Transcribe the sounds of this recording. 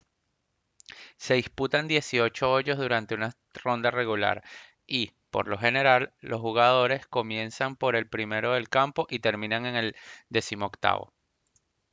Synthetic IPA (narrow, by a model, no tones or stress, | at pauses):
se̞ðisput̪and̪je̞sio̞t͡ʃo̞oʝo̞zðuɾant̪e̞una | ro̞nd̪are̞ɣula̰ɾ | i | po̞̰ɾlo̞xe̞ne̞ɾalːo̞sxuɣaðo̞ɾe̞sko̞mje̞nsampo̞ɾe̞lpɾime̞ɾo̞ð̞e̞lkampo̞ʔit̪e̞ɾmĩnaŋe̞ŋe̞ld̪e̞simo̞okt̪a̰βo̞̰